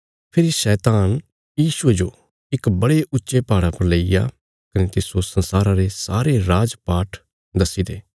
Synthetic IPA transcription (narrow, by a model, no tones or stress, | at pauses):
pʰɪɾiʃɛːt̪aːn | jiːʃʊed͡ʒoː | ɪkbɐɽeʔʊtːʃepaːɽapɐɾleːija̰ | kɐnet̪ɪsosɐnsaːɾãɾesaːɾeɾaːd͡ʒpaːʈʰ | d̪ɐsid̪eː